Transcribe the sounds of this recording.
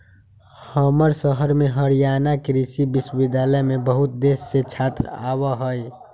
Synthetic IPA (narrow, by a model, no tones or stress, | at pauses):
həməɾsəɦəɾmeɦəɾijanakɾisibiswəbid̪jaləmebəɦut̪̚d̪esːet͡ʃʰat̪ɾa̰βəɦəj